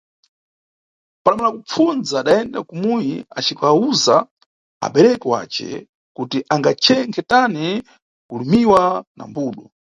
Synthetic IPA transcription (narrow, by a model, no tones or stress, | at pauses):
paɗamalakup͡fund͡zaːɗaɛnda̰kumujiat͡ʃikauza | a̰ɓɛɾɛkɛwa̰ːt͡ʃɛ̰ | kutiʔaŋɡat͡ʃʰɛŋkʰɛtani | kulumiwana̰mbuːɗɔ